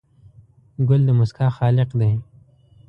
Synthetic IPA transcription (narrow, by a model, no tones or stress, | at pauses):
ɡʊld̪əmʊskɑːxɑːlɪqd̪e